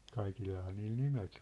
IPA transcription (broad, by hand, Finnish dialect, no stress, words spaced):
kɑikilːɑhɑː niːl nimet